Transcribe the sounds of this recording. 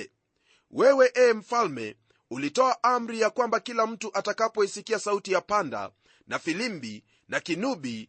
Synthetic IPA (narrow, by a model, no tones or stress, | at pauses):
wɛwɛʔɛːm̩falmɛ̰ | ulitɔaʔam̩ɾijakwambakilam̩tuʔatakapɔisikiasautijapanda̰ | nafilimbi | nakinuɓi